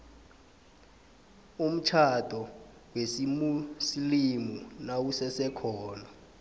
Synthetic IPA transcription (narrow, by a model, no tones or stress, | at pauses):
um̩t͡ʃʰad̥ʱɔ | wesimusilimunawusɛsɛkʰɔːna